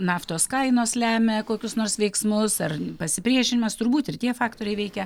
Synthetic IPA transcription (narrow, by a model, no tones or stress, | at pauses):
nɑːft̪oːskɐɪnoːslʲæːmʲɛkoːkʲʊsnoːrsʋʲɛɪksmʊsɐrpɐsʲɪpʲɾʲiɛʃʲɪnʲɪmɐst̪ʊrbuːt̪ɪrt̪ʲiɛfɑːkt̪oːɾʲɛɪʋʲɛɪkʲɛ